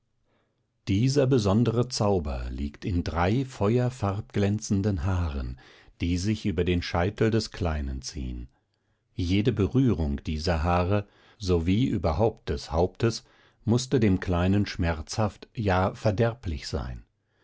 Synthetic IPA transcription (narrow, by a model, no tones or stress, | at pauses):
d̥iːzɐbəzɔndəʁət͡saʊbɐ̰liːktʰɪndʁaɪfɔʏɐfaʁp̚ɡ̥lɛnt͡sn̩dənɦaːʁə̰n | d̥iːzɪçʔyːbɐdeːnʃaɪtl̩dɛskʰl̥aɪnənt͡sḭːən | jeːdəbəʁyːʁʊŋkd̥iːzɐɦaːʁə | zoviːʔyːbɐɦaʊp̚t̚d̥ɛshaʊp̚təs | mʊstədeːmkl̥aɪnənʃmɛɐt͡shaftjaːfɛɐdɛɐplɪçz̥a̰ɪn